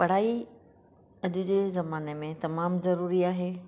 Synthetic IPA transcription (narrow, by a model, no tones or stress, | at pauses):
pɐɽ̤aːi | ɐʄʊd͡ʑeːzɐmaːnemẽt̪ɐmaːmzɐɾuːɾiaːɦeː